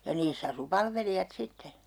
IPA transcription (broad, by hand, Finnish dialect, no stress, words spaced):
jɑ niːsː ɑsu pɑlʋelijɑt sitːe